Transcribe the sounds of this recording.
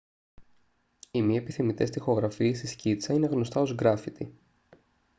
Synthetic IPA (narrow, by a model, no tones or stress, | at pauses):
imiɐepiθimit̪e̞st̪ixo̞ɣɾɐfiest̪iscit͡sɐine̞ɣno̞st̪ɐo̞zɡɾɐfit̪i